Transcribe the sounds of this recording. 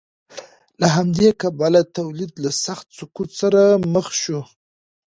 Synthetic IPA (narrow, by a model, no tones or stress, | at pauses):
laɦamd̪ekabalat̪awlid̪lasaxt̪sʊkut̪saɾaməxʃu